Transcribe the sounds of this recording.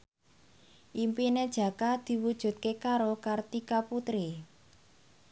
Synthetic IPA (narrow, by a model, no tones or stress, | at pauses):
ʔimpined̥ʒ̥ä̤kad̪̥i̤wud̥ʒ̥ṳt̪̚kekaɾokart̪ikaput̪ɾi